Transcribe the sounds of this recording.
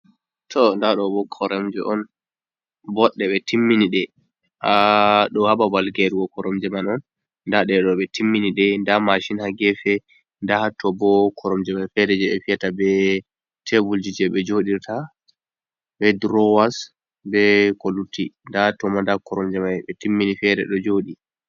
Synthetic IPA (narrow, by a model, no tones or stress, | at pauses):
tʰɔndaɗɔbɔkʰɔɾɛmd͡ʒɛʔɔn | bɔɗːɛɓɛtimːiniɗɛ | ʔaɗɔhaɓabalɡɛɾɡɔkɔɾɔmd͡ʒɛmanɔn | ndaɗɛɗɔɓɛtimːiniɗɛndamaʃinhaɡɛfɛ | ndahatʰːɔbɔkʰɔɾɔmd͡ʒɛmanfɛɾɛd͡ʒɛɛfijatabɛ | tʰɛbuld͡ʒid͡ʒɛɓɛd͡ʒoɗiɾtʰa | bɛdɾɔwas | bɛkolutʰːindahtɔmandakɔɾɔmd͡ʒɛmaɛɓɛtimːinifɛɾɛ̰ɗɔd͡ʒoːɗi